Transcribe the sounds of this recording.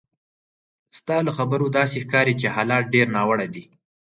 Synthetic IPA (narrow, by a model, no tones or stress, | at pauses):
st̪ɑləxabəɾod̪ɑsexkɑɾit͡ʃehɑlɑt̪̚ɖeɾnɑwəɽajd̪i